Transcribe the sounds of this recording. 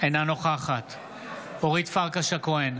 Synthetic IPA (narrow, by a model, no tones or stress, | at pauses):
ejnanoχaχat̪ | oʁit̪faʁkaʃakoen